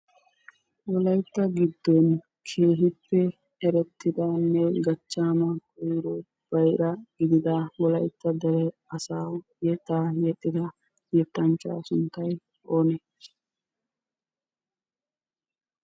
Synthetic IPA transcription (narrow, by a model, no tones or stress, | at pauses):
wɔlɐjt̪ːɐɡɪd̪ːɔn | kʰe̞ːɦɪpːɛ | ɛɾɛt̪ːɪd̪ɐnːɛɡɐt͡ʃːaːmɐkʼɔjɾɔ | b̥ɐjɾɐɡɪd̪ɪd̪ɐwɔlɐjt̪ːɐd̪ɛɾɛɐsaːw | jɛt̪ːaːjɛt̪ʼːɪd̪ɐ | jɛt̪ːɐnt͡ʃa̰ːsʊnt̪ɐj | oːnɛ